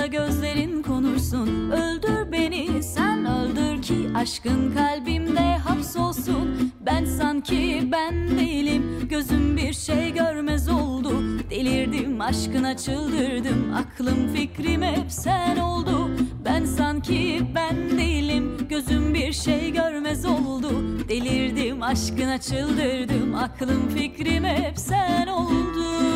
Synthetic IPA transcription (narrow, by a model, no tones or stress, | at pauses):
aɟø̞zlʲe̞ɾinkʰo̞nuɾsunølʲd̪yɾbe̞nisænølʲd̪yɾcʰiaʃkɯnkʰalʲbimd̪ɛɦamso̞lˠsunbænsancʰibænd̪ejilʲimɟø̞zymbiɾʃejɟøɾmɛzo̞lˠd̪ud̪̥e̞lʲiɾd̪imaʃkɯnat͡ʃʰɯlˠd̪ɯɾd̪ɯma̰kʰlˠɯmficɾimɛsænolˠd̪ʊbænsancʰibænd̪ejilʲimɟø̞zymbiɾʃejɟøɾmɛzo̞lˠd̪ʊd̪̥e̞lʲiɾd̪imaʃkɯnat͡ʃʰɯlˠd̪ɯɾd̪ɯmakʰlˠɯmficɾimɛsænolˠd̪ʊ